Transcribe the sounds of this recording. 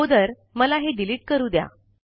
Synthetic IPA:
od̪əɾ | məlaɦeɖiliːʈ̚kəɾuːd̪ja̰

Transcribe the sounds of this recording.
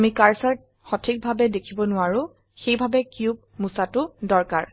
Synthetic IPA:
amikaɹsaɹ | xɔtʰik̚bʱabɛdekʰibɔnʊwaɹʊ̃ | xejbʱabɛkjub̚ | musatʊdɔɹka̰ɹ

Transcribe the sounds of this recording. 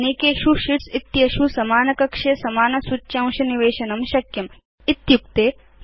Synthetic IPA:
neːkeːʃuʃiʈsit̪jɐʃusɐmaːnɐkɐkʂesɐmaːnɐsutːʃãːw̃ʃɐniʋeːʃɐnɐmʃɐkjɐm | ɪt̪juk̚t̪eː

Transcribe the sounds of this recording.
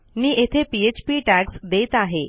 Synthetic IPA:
niːʔet̪ʰepiet͡ɕpiʈæksd̪et̪aɦe

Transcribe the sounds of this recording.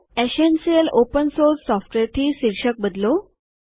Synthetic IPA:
esensijəlopənsoɾsːɔfʈʋeɾt̪ʰiːsiɾɕək̚bəd̪lo

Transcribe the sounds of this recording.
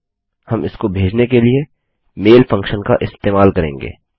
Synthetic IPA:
hɐmɪskobʱeːd͡ʒnekelie | meːlfɐ̃ŋkʃənka̰ʔɪst̪eːmaːlkɐɾẽːŋɡḛː

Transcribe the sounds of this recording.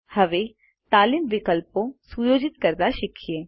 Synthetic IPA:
hɐʋeː | t̪aːlimʋɪkəlpõsujoːd͡ʒɪt̪kəɾd̪aʃɪkʰijeː

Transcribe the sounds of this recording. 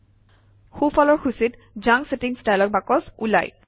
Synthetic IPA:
xufɔlɔɹxusit | zaŋsetiŋstajlɔk̚bakɔsula̰j

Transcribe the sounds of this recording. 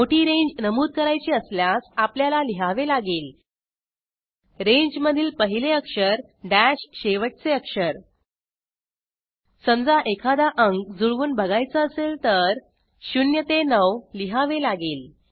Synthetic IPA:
moʈiːɾẽɲd͡ʑnəmuːd̪̚kəɾajt͡ɕiːəsljasapljalaliɦaʋelaɡiːl | ɾẽɲd͡ʑməd̪ʱiːlpəɦileəkʂəɾ | ɖæɕɕeʋəʈ̚t͡seəkʂəɾ | səmd͡zaʔekʰad̪aʔəŋɡd͡zuɭʋuːnbʱəɡajt͡səəselt̪əɾ | ɕunjət̪enəwliɦaʋelaɡiːl

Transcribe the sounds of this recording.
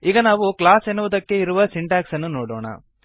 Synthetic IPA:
iːɡɐnaːʋuklaːsenːuʋud̪ɐkːe̞iɾuʋɐsiɳʈaːksɐnːunoːɽoːɳɐ̰

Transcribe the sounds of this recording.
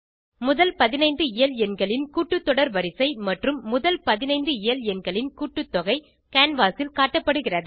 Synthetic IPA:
mʊðɐlpɐðɪnɐɪnd̪ɯɪjɐlɛnɡɐɭɪnkuːʈːɯt̪ːɔɽɐɾʋɐɾɪsɐɪmɐʈrɯmːʊðɐlpɐðɪnɐɪnd̪ɯɪjɐljɛnɡɐɭɪnkuːʈːɯt̪ːɔɣɐɪ | kaːnʋaːsɪlkaːʈːɐpːɐɽɯɣɪrɐðɯ

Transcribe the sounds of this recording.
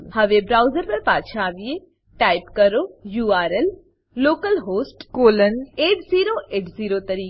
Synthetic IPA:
hɐʋebɾaːʊzəɾpɐɾpaːd̪ʃaːʋije | ʈaːɪpkɐɾoːjuːaːɾelː | oːkəlɦoːsʈkoːləneːʈziːɾoʔeːʈziːɾot̪ɐɾiː

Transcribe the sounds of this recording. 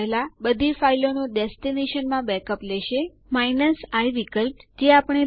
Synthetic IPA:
labəd̪ʱifailonuɖɛstineʃənmãbɛkəplɛʃe | mainəsaiʋikəlpd͡ʒeapəɳ̃e

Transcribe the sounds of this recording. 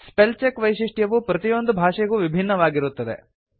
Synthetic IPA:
spelt͡ʃekʋɐjʃiʂʈjɐʋupɾɐt̪ijo̞nd̪ubʱaːʂɛɡuːʋibʱinːɐʋaːɡiɾut̪ːɐd̪ḛ

